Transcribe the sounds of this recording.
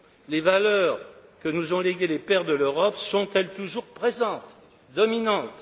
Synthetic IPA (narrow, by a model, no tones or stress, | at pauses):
levalœːʁkənuzɔ̃leɡʲelepɛʁd̪əløʁɔpsɔ̃t̪ɛlt̪uʒuʁpχezɑ̃t̪ | d̪ɔminɑ̃t̪